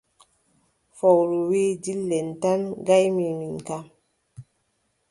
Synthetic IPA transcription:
fɔwɾuwedilːɛntanɡajmiminkam

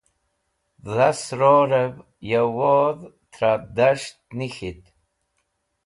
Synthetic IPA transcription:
ðasɾoɾev | jawoð | t̪ʰɾad̪aʂt̪̚nixit̪

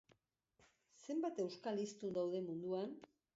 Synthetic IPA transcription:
se̞mbat̪e̞wskalist̪und̪awð̞e̞mund̪uan

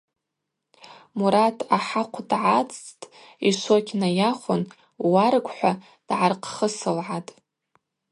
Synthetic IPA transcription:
muɾatʰaħaqʷʰdʕat͡sʼtʼ | iʂʷokʲʰnajaχʷʊn | waɾkʷʼħʷa | d̥ʕarqʰχəsɨlʕatʼ

